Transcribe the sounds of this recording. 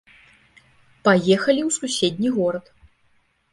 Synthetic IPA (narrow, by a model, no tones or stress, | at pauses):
pajɛxɐlʲiwsusʲed̪ʲnʲiɣɔɾɐt̪